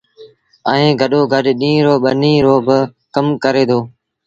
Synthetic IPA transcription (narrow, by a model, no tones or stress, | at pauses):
əẽːɡʱəɗoːɡʱəɗɗĩːɾoːɓənĩːɾoːbə | kəmkəɾeːd̪oː